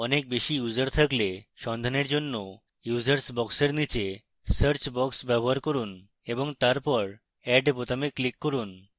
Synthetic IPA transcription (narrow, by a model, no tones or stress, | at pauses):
ɔnek̚beʃijud͡ʑaɾt̪ʰakleʃɔnd̪ʱaneɾd͡ʑonːo | jud͡ʑaɾsbɔkseɾnit͡ɕe | səɾt͡ɕbɔksbɛboɦaɾkoɾun | eboŋt̪aɾpɔɾ | ɛɖbot̪ameklikːoɾun